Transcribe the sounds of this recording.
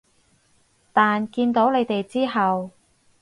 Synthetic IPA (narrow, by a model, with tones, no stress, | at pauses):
t̪aː˨nkiː˧nt̪o˨˥wle˨˧jt̪e˨jt͡siː˥ɦɐ˨w